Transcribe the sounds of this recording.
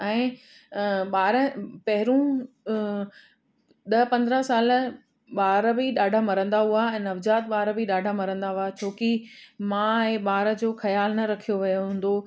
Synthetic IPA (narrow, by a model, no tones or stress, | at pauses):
ɛ̃ː | ɓaːɾəpɐɦɪɾũː | ɗ̪ɐɦpɐ̃nd̪ɾəsaːl | ɓaːɾəbiɗaːɖʱamɐɾə̃nd̪aɦuaɛ̃ːnɐʋd͡ʑaːt̪̚ɓaːɾbiɗaːɖʱamɐɾə̃nd̪aɦuat͡ɕʰoːki | mãeɓaːɾə̆d͡ʑoːxɐjaːlnɐɾɐkʰijoʋɐjoɦũːn̆d̪o